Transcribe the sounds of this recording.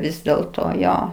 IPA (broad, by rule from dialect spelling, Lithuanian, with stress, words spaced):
ˈʋʲɪs dʲeːlˠˈtoː ˈjoː